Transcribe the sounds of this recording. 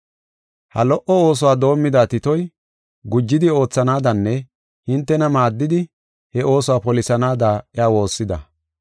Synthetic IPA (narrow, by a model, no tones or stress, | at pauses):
hɐ̰lɔʔɔo̞ːs̬ʊwaːd̪o̞ːmːɪd̪aːt̪ɪt̪ɔj | ɡʊd͡ʒːɪd̪ɪo̞ːt͡sːɐnaːd̪ɐnːɛ | hɪnt̪ːɛnɐmaːd̪ːɪd̪ɪ | hɛʔo̞ːsʊwaːpɔlɪsɐnaːd̪aːɪaːwo̞ːsːɪd̪ɐ̰